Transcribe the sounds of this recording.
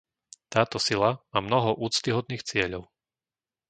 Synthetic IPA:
t̪aːt̪ɔsilamaːmnɔɦɔʔuːt͡st̪iɦɔd̪niːxt͡sɪɛʎɔʊ

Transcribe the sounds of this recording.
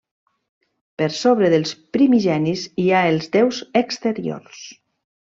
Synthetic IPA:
pəɾsoβɾəðəlˠspɾimiʒɛniziaelˠzd̪ɛwzəkst̪əɾio̰ɾs

